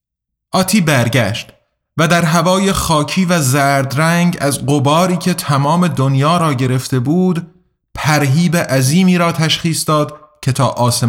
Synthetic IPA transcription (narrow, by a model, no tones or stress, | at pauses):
ʔɒːt̪ʰiːbæɾɟæʃt̪ | væd̪æɾɦævɒːje̞χɒːcʰiːvæzæɾd̪ɾæŋɡæzɢobɒːɾiːcʰe̞t̪ʰæmɒːme̞d̪onjɒːɾɒːɟe̞ɾe̞ft̪e̞buːd̪ | pʰæɾɦiːbeʔæziːmiːɾɒːt̪ʰæʃχiːsd̪ɒːd̪cʰe̞t̪ʰɒːʔɒːse